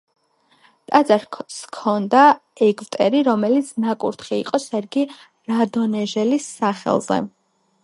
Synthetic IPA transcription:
t̪ʼad̪zʼaɾskʰɔnd̪aɛɡvt̪ʼɛɾiɾɔmɛlit̪sʰnakʼṵɾt̪ʰχiḭqʼɔsɛɾɡi | ɾad̪ɔnɛʒɛlisːaχɛ̰lˠzɛ̰

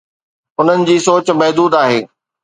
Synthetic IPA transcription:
ʊn̤ənɪ̆d͡ʑiːsoːt͡ɕmɐɦd̪uːd̪aːɦeː

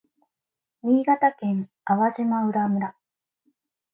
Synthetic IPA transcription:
mʲiːɡat̪akẽ̞ŋ | aβaʑimaɯ̟ɾamɯ̟ɾa

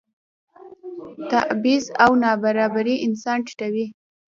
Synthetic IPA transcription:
t̪a̰ʔbizawnɑbaɾɑbaɾiʔɪnsɑnʈi̥ʈawi

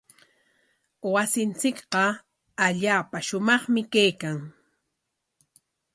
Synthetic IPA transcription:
wasɪnt͡sɪkɢɑ | aʎaːpaʃʊmɑχmɪkajkaŋ

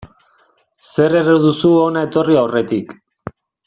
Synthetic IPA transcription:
se̞re̞reðusuo̞nae̞t̪o̞riawre̞t̪ik

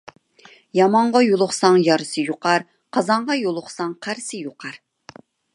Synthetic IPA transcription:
jɑmɑɴʁɑjolˠʊχsɑŋjɑɾɨsɨjoqʰɑɾ | qʰɑzɑɴʁɑjolˠʊχsɑŋqʰæɾsɪjoqʰɑɾ

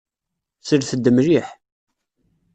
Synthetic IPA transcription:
səɾθəd̪ːəmɾiħ

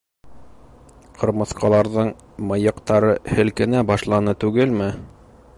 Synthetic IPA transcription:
qʰɤ̆ɾmɤ̆θqɑlˠɑɾðɤɴ | mɤ̆jɤ̆qt̪ɑɾɤhɘ̆lkɘ̆næbɑʃlˠɑnɤt̪ʉɡɘlmɘ

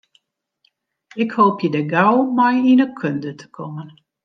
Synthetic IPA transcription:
ɪkhoːpʰjədəɡawmajinəkʰøndətʰə̥kʰomən

